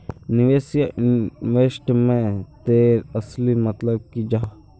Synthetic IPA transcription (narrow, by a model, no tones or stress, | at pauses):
nɪʋeːsjaʔɪʋeːsʈmẽt̪eːɾɐslimɐt̪ləb̚kid͡ʒaː